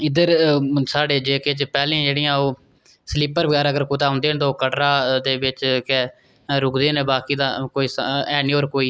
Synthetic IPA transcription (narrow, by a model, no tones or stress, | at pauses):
ɪd̪əɾsaːɖeːd͡ʒeːket͡ʃpɛːlẽãd͡ʒeːɽiːãːoː | sliːpəɾbəɡɛːɾəɡəɾkoːt̪aːɦõːnd̪eːnt̪oːkəʈɾaːd̪eːbɪt͡ʃkɛ | ɾʊkʰd̪eːnẽːbaːkiːd̪aːkoːiːsɛːniːoːɾkoːiː